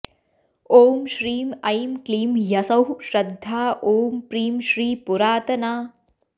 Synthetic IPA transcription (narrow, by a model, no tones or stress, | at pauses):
oːmʃɾiːmɐjmkliːmjɐsɐwʃɾɐd̪ʱːaːʔoːmpɾiːmʃɾiːpuɾaːt̪ɐnaː